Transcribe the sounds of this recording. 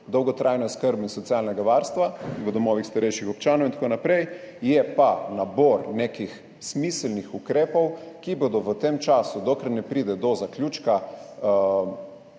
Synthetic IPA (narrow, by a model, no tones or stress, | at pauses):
d̪ɔwɡɔt̪ɾʔajnɔjskəɾbinsɔt̪sialnɛɡaʋaɾst̪ʋaʋəd̪ɔmɔʋixst̪aɾɛjʃixɔpt͡ʃaːnɔwint̪ḁkonapɾɛj | jɛpanabɔɾnekix | smislnixukɾeːpɔwkibod̪ɔʋət̪emt͡ʃaːsud̪okɾaɾnɛpɾid̪ɛd̪ɔzaklʲjut͡ʃka